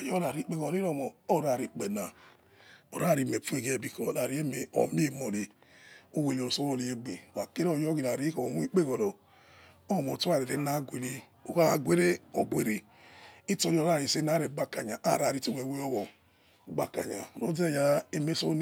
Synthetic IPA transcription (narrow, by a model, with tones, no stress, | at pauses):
a˨jɔ˦ɾa˨ɾi˨˦k͡pe˦˨ɣɔ˨ɾi˦ɾo˦˨mo˨o˦˨ɾa˨ɾi˨k͡pe˨na˨ | o̰˨ɾa˦˨ɾi˨me˨fu˦e˨ɡe˦˨bi˨kɔ˨ɾa˨ɾi˦e˦me˨o̰˨mi˦e˦˨mo˨ɾi˨ | o˦we˨jo˨o˨so˦wo˦˨li˨e˦ɡ͡be˨wa˨ke˦ɾo˨jɔ˦ɡi˨ɾa˨ɾi˨˦ko˨o˨nʷu˦i˦k͡pe˦ɣɔ˨ɾo˨ | o˦˨mo˨tu˦a˨ɾe˨ɾe˨˦na˦ɡʷe˨le˦ | o˨ka˦˨ɡʷe˦ɾe˦o˨ɡʷe˨ɾi˨ | i˦to˦˨jo˦˨ɾa˦˨ɾi˨se˦na˦ɾe˨˦ɡ͡ba˦ka˨ɲa˨ʔa˨ɾa˨ɾi˨˦to˦me˨we˦jo˦ɣɔ˨ | ɡ͡ba˨ka̰˨ɲa̰˨ɾo˦de˦˨ja˦e˦me˦so˦n˦